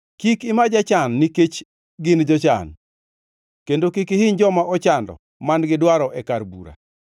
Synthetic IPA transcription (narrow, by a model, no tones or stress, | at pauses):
kikɪmad͡ʒat͡ʃanːiket͡ʃ | ɡɪnd͡ʒɔt͡ʃa̰n | kendokikihɪɲd͡ʒɔmaɔt͡ʃandɔ̰ | manɡɪdwaɾɔʔɛkarbṵɾa̰